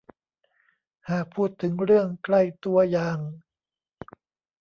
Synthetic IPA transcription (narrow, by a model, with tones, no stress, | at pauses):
haː˨˩k̚pʰuː˥˩t̪ʰːɯ˩˦ŋɾɯ˥˩əŋkla˥˩jt̪u˧ɐjaː˨ŋ